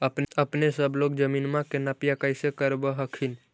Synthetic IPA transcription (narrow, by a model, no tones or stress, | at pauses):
əpnəpnesəbloːɡ̚d͡ʒəminmãkenapjakəɪsekəɾbəɦəkʰin